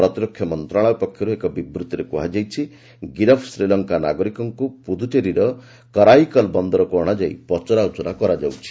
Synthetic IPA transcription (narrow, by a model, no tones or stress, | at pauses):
ɾɔt̪iɾɔkʰːjɔmɔnt̪ɾaɭ̃ɔbupɔkʰjɔɾuekɔbibɾut̪iɾekuɦad͡ʒajt͡ʃʰi | ɡiɾɔpʰsɾilɔŋkanaɡɔɾikɔŋkupud̪ʱut͡ʃeɾiɾɔ | kɔɾajkɔlbɔnd̪ɔɾɔkɔɔɽ̃ad͡ʒaj̰pɔt͡ʃɔɾaut͡ʃɔɾakɔɾad͡ʒawt͡ʃʰi̥